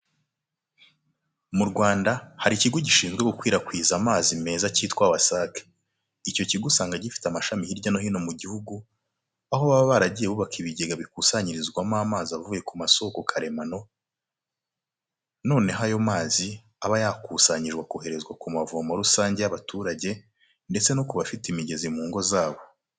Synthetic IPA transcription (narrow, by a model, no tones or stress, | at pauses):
muɾɡwaːndahaɾiciɡo̞ɟiʃiːnzɡweɡukwiːɾakwiːzamaːzime̞ːzaciːtkwaβasake̥ | ico̞ciɡusaːŋɡaɟifi̥tamaʃamihiɾɟano̞hiːno̞muɟihuɡu | ahoβaβaβaɾaɟije̞βuβakiβiɟe̞ɡaβikusaɲiɾizɡwamaːmaːzaβvuːje̞kumaso̞ːkokʰaɾe̞mano̞ | no̞ːne̞ɦajo̞maːzi | aβajakusaɲiʒɡwakohe̞ɾe̞zɡwakumavomaɾusaːɲɟe̞jaβatuːɾaɟe̞ | nde̞t͡se̞nokuβafitimiɟe̞zimuːŋɡo̞zaːβo̞